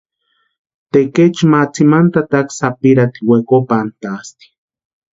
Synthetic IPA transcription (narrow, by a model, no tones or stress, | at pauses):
t̪eket͡ʃmat͡simant̪at̪aksapiɾat̪iwekopant̪ast̪i̥